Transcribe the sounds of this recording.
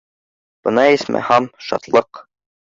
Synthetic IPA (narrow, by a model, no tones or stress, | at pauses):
b̥ɤnɑismʔæ̰hæmʃɑ̰t̪lˠɤq